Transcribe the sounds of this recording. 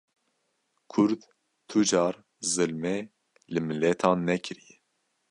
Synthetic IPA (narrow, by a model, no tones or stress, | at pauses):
kʰʊɾd̪ | t̪ʰud͡ʒɑːɾ | zɨlmɛ | lɨmɨlɛt̪ʰɑːnːɛkʰɨɾijɛ